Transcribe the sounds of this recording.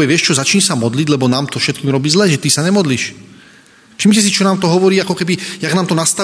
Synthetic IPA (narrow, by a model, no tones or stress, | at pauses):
ɛʋɪɛʃt͡ʃɔzat͡ʃɲsamɔd̪liɟlɛbɔnaːmt̪ɔfʃɛt̪̚kiːmɾɔbiːzlɛːʒɛt̪isaɲɛmɔd̪liːʃ | ʃimcɛs̬it͡ʃɔnaːmt̪ɔɦɔʋɔɾiːakɔkɛbijaɡnaːmt̪ɔnast̪a